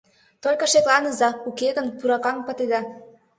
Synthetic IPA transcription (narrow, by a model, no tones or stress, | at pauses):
t̪olʲkɤ̆ʃeklɑnəzɑukeɣənpuɾɑkɑŋpə̆t̪ed̪ɑ